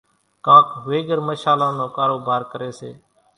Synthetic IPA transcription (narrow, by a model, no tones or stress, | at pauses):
kãːkʋeːɡəɾməʃaːlãːnõːkaːɾoːbʱaːɾkəɾeːseː